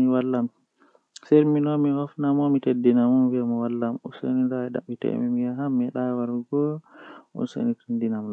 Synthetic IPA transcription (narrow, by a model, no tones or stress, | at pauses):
iwalːam | seɾminɔmihɔfnamɔmitedːinamɔmviamɔwalːamṵso̰ninɾaɛɗa̰itɛ̰mimijaɦamːɛɗawaɾuɡɔ | ɔ̰nso̰nitʰundinaml